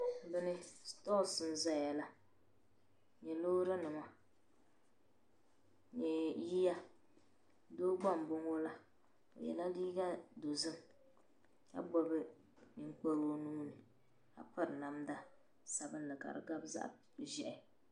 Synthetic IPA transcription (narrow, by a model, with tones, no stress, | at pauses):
bɨ˦nɨ˦stɔ˦˨sɨ˦n˦za˦˨ja˨la˦ | ɲɛ˨lo˦ɾa˦nɨ˨ma˦ | ɲɛ˨ji˦ja˦ | do˦ɡ͡ba˦˨m˨bʊ˦ŋo˦la˦ | o̰˨jɛ̰˨la˦liː˦ɡa˦do˨zɨ˦m | ka̰˦ɡ͡bɔ˦bɨ˦ | ni˨ŋ˦k͡po˦ɾo˦nu˦ŋ˦nɨ˨ | a̰˨pa˦ɾɨ˨na˨mda˦ | sa˨bɨ˦n˦lɨ˨ka̰˨ɾɨ̰˨ɡa˦bza̰˦ʔ | ʒɛ˨ʔɪ˨